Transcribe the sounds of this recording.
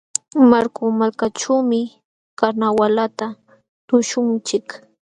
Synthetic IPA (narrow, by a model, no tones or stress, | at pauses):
maɾkʊmalkaʈ͡ʂawmɪ | kaɾnawalat̪a | t̪ʊʃʊnt͡ʃɪk